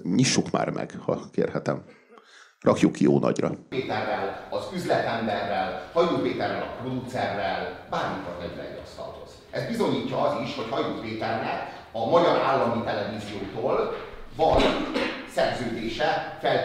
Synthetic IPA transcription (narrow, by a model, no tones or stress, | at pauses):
ɲiʃːukma̰ːrmʔɛ̰ɡ̥hɒkḛːrhɛt̪ɛm | rɒkjukjoːnʔɒ̰ɟrɒeːt̪ɛrːɛlɒzyzlɛt̪ɛmbɛrːɛlhɒjuːt̪peːt̪ɛrːɛ̰lɒ̰pro̞d̪ut̪sɛrːɛlbaːrmik̪ɒrvɛɾylɛ̰jḭɒ̰st̪ɒ̰lho̞z̥ | ɛzbizo̞ɲiːcːɒɒziʃho̞chɒjoːt̪peːt̪ɛrnɛk | ɒmɒɟɒɾaːlːɒmit̪ɛlɛviːzijoːt̪oːlvɒnsɛrzøːd̪eːʃɛfɛl